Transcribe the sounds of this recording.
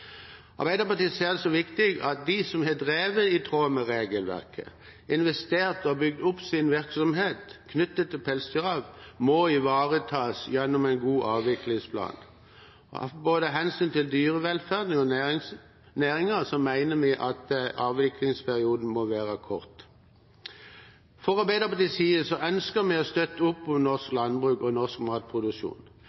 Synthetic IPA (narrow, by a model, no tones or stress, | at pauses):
ɑ̰ɾbæɪd̪əpɑt̪iːseːd̪ɛsɔʋɪkt̪ɪɡɑt̪̚d̪ɪsɔmɦɛd̪ʁeːʋəɪt̪ʰʁoːməɾeːɡəlʋæ̰ʁkʰə̰ | ɪnʋɛst̪eːɾt̪ɔbʏɡ̚d̪ʊpsɪnʋɪɾksɔmɦeːt̪kʰnʏt̪ːət̪ʰːɪlpʰɛlsd̪yɾɑːʋmɔɪʋɑːʁət̪ʰɑːsjɛnːʊmæɪnɡuːʔɑːʋʋɪklɪŋspʰlɑ̰ːn̰ | boːd̪əɦɛnsyːnt̪ʰɪld̪yːʁəʋɛlfæːʁd̪nɪŋɔ | næːʁɪŋəsɔmːæɪnəmɪʔɑt̪ɑːʋʋɪklɪŋspʰæʁɪuːd̪n̩mɔʋæːʁəkʰɔʁt̪ | fɔʁɔbeɪd̪ʁəpʰɔd̪ɪsiːəsɔʔœnskəmɛɔst̪œt̪ːəʊpːɔnɔʁsklɑnbʁʉːkɔnɔʁskmɑːt̪̚pʰʁʊd̪ʉʃṵːn